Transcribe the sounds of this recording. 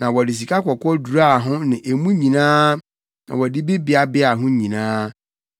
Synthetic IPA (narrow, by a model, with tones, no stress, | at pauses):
nã˨wɔ˨dɪ˨s̬i˨kʰa˦kʰɔ˨kʰɔ˦du˨ɾa˦˨ɦʊ̃˦nɪ̃˨ʔe˨mũ˦ɲĩ˨nãː˦ | nã̰˨wɔ˨di˦bi˦bɪ˦a˨bɪ˦a˨ɦʊ̃˦ɲĩ˨nãː˦